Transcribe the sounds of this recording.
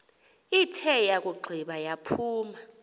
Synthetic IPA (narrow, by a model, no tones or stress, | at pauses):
itʰɛjak̬ʼuɡ͡ǃʱiɓajapʰuːma